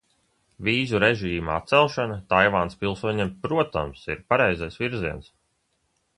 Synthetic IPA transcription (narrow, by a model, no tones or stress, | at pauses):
viːzuɾeʒiːmaa̰t̪t̪sɛlˠʃanat̪ajvaːnspilˠsuɔɲiːmpɾuɔt̪a̰msḭɾpaɾɛjzajsviɾziɛns